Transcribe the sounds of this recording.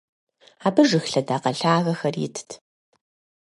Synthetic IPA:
aːbɨʐɨxɬɐdaːqɐɬaːɣɐxɐrɪ̰tʰtʰ

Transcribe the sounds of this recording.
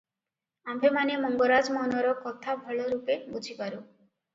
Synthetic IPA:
ambʱemanemɔŋɡoɾad͡ʒmɔnɔɾɔkɔt̪ʰabʱɔɭɔɾupebud͡ʒʱipaɾu

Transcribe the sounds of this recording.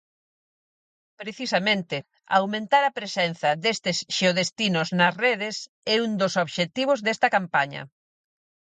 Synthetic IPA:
pɾeθisɐmẽnt̪ɪ | a̰wmẽnt̪aɾɐpɾesɛnθɐðest̪ɪsʃeoðest̪inʊznɐsreðɪs | ɛund̪osoβʃet̪iβ̞ʊzðest̪ɐkampaɲɐ̰

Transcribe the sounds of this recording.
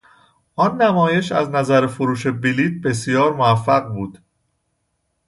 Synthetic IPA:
ʔɒnːæmɒːje̞ʃæznæzæɾefoɾuːʃe̞biliːt̪̚ʰbe̞s̬ijɒːɾmoæfːæɣbuːd̪̥

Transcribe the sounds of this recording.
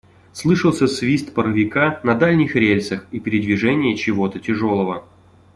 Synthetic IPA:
slˠɨʂəlˠsʲəsvʲist̪pəɾəvʲɪkanɐd̪alʲnʲɪxɾʲelʲsəxipʲɪɾʲɪd̪vʲɪʐɛnʲɪjət͡ɕɪvot̪ətʲɪʐolˠəvə

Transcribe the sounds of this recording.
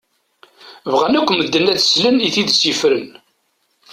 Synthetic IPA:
vʁænækʷːməd̪ːənæθsləniθiðsjəfɾən

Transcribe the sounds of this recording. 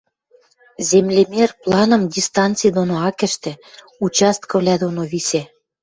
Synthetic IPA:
zemlʲemerplɑnɤ̆mdʲist̪ɑnt̪t͡sijd̪onoɑkɘ̆ʃt̪ĕ | ut͡ɕɑst̪̚kɤ̆vlʲæd̪onoβise

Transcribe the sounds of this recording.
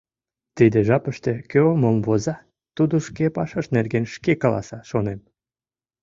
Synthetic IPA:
t̪id̪eʒɑpəʃt̪ekøomomvozɑ | t̪ud̪oʃkepɑʃɑʃnerɡenʃkekɑlɑ̰sɑʃonem

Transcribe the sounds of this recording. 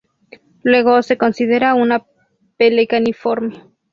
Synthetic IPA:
lwe̞ɣose̞ko̞nsiðe̞ɾauna | pelekanifoɾme

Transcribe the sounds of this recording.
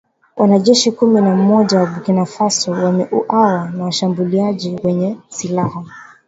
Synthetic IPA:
wanaʄɛʃikuminamɔʄawaɓukinafasɔwamɛʔuʔawanawaʃambuliaʄiwɛɲɛsilaha

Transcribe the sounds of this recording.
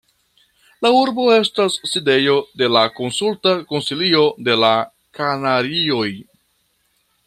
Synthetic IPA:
lauɾbo̞e̞stasːide̞jo̞de̞lako̞nsultako̞nsilio̞de̞la | kanaɾio̞j

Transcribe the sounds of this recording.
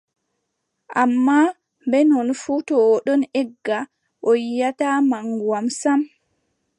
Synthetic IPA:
ʔamːa | bɛnɔnfutɔwɔɗɔnɛɡːa | ʔojjatamaŋɡwamsam

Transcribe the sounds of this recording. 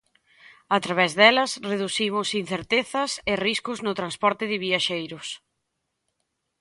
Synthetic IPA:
at̪ɾaβɛzðɛlɐsreðuθimʊsin̟θeɾt̪eθɐsɪriskʊznʊt̪ɾanspɔɾt̪ɪðɪβiaʃejɾʊs

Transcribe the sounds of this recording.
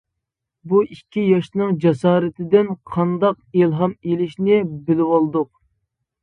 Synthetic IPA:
buʔikʲʰːijɑʃnɨŋd͡ʒɑsɑːɾɨt̪ʰɪd̪ɪnqʰɑnd̪ɑq̚ilˠɦɑmelɪʃnɪbɪlɪwɑlˠd̪ʊq̚

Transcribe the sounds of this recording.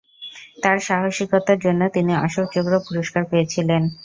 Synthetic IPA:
t̪aɾʃaɦoʃikot̪aɾd͡ʑonːot̪iniaʃok̚t͡ɕoɡɾopuɾoʃkaɾpejet͡ɕʰilen

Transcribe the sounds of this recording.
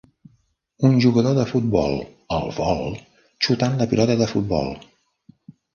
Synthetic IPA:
unʒuɣəðoðəfut̪̚bɔ̰lˠ | əlˠβɔlˠ | t͡ʃut̪anləpilɔt̪əðəfut̪̚bɔ̰lˠ

